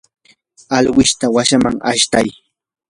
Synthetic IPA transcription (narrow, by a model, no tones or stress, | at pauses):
alwɪʃt̪awaʃamaŋa̰ʃt̪aj